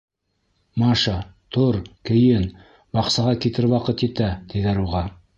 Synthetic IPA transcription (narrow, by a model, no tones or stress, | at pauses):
mɑʃɑt̪ʰoɾkʲʰɪ̆jɘn | bɑqsɑʁɑkʲʰet̪ɪɾwɑqət̪et̪æd̪̥ed̪ɑɾuʁɑ